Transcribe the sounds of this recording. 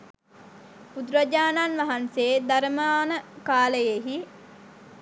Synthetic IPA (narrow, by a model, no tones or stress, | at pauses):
pud̪ɾəd͡ʒaːnanʋaɦanseːd̪aɾəmaːnəkaːləjeɦi